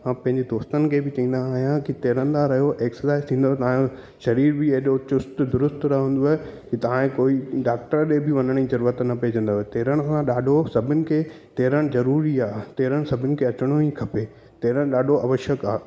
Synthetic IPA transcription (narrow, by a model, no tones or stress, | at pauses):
ãːpɐ̃ɦɪ̃ɲd͡ʑed̪oːst̪ənɪ̆kʰeːbɪt͡ɕɐĩːn̆d̪aaːɦjãkit̪eːɾə̃nd̪aɾɐɦijoʔeːksəsaːɪzt̪ʰĩːn̆d̪oːet̪ɐʋãjõ | ʃɐɾiːɾbɪeɦɗot͡ɕʊst̪d̪ʊɾʊst̪ɾɐɦũːnd̪oaːɦekit̪ɐʋ̤ãkoːiɖaːk̚ʈəɾɗebɪʋɐnəɽ̃ĩzɐɾuːɾət̪nɐpeːd͡ʑɐ̃nd̪oːɦet̪eːɾəɽ̃sãɗaːɖʱosɐbʱʊnɪ̆kʰeː | t̪eːɾəɽ̃zɐɾuːɾiaːt̪eːɾəɽ̃sɐbʱɪnɪ̆kʰeɐt͡ɕɪɽ̃oikʰɐpe | t̪eːɾəɽ̃ɗaːɖʱoɐʋəʃəkaː